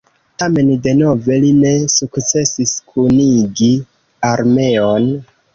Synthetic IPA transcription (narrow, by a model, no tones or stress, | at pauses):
tame̞nde̞no̞ve̞line̞sukt͡se̞siskʰuniɡi | aɾme̞on